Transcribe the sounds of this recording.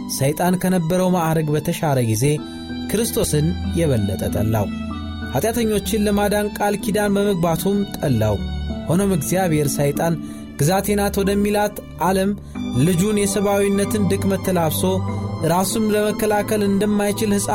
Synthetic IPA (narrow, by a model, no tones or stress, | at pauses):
səjt̪ʼankʰənəbːəɾəwmaʔɾəɡbət̪ʰəʃaləɡize̞ | kʰɨɾɨst̪ʰo̞sɨnjɛβəlːət̪ʼət̪ʼə̰lːa̰w | ʔat̪ʼjat̪ʰəɲːo̞t͡ʃːɪnləmad̪ankʼalkʰid̪anbəməɡ̚bat̪ʰumt̪ʼəlːa̰who̞nomɨɡzijaβhe̞ɾsajt̪ʼan | ɡ̥ɨzat̪ʰe̞nat̪wɔd̪əmːilat̪ʔaləm | lɨd͡ʒunjɛsəβawinːət̪ɨnd̪ɨkʼmət̪ʰːəlaβso̞ʔɨɾasumləməkːəlakʰəlɨnd̪əmːajt͡ʃɪlhɨsʼa